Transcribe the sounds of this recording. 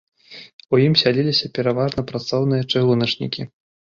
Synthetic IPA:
ujimsʲalʲilʲisʲɐpʲɛɾavaʐnɐpɾat̪sɔwnɨjɐt͡ʂɨɣlˠunɐt͡ʂnʲḭkʲi

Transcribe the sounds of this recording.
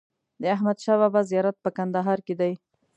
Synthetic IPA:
d̪əaɦmad̪ʃɑwabazijɑɾat̪̚pəkand̪aɦɑɾked̪aj

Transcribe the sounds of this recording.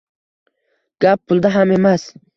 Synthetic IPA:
ɡ̥appuld̪aɦamemas

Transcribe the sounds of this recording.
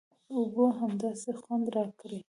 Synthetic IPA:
ʊboɦamd̪ɑsexwand̪ɾɑkɾi

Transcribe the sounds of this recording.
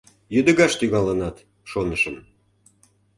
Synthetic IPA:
jød̪ə̆ɣɑʃt̪yɣɑlənɑt̪ | ʃonəʃəm

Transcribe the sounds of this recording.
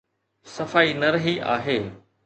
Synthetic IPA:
sɐfaːinɐɾɐɦiʔa̰ːɦeː

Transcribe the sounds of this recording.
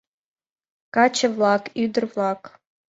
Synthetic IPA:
kɑt͡ɕə̆vlˠɑkyd̪ə̆rvlˠɑk

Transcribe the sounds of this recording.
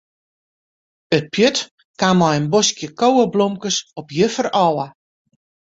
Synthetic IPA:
ət̚pjøt | kamɔjənbɔskjəkowəblomkəsɔpjəfərɔwə

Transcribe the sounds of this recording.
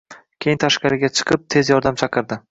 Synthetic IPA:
kʲʰejɪnt̪ʰaʃqɑɾɪɡʲat͡ʃʰɨ̥qʰɨp̚t̪ʰe̞zjɒɾd̪amt͡ʃʰɑqʰɨɾd̪ɪ

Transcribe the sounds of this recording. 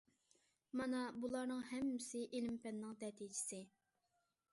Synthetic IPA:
mɑnɑbulˠɑɾnɨŋhɛmːɪsɪʔelɪmpɛnːɪŋd̪ɛt̪ʰid͡ʒɪ̥sɪ

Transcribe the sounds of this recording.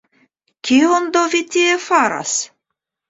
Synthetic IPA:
kʲiond̪ovit̪iefaɾa̰s

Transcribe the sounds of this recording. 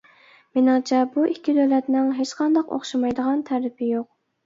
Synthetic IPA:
menɪŋt͡ʃʰɛbuʔikʲʰːid̪ølɛt̪nɪŋɦet͡ʃqʰɑnd̪ɑqo̰χʃɑmɑjd̪əʁɑnt̪ʰæɾɪpʰɪjoq̚

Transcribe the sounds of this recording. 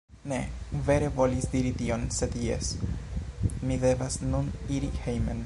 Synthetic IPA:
ne̞̰ve̞ɾe̞vo̞lisdiɾitio̞nse̞djḛs | mide̞vasnuniɾihejmḛn

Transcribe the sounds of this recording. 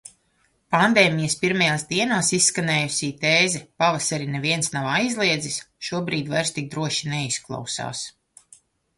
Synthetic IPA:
pand̪eːmijɐspiɾmajaːsd̪iɛnaːsisːkaneːjusʲiːt̪eːzɛpavasaɾineviɛnsnawajzlˠiɛd̪zisʃuɔbɾiːd̪vajɾst̪ik̚d̪ɾuɔʃinɛisklˠa̰wsa̰ːs

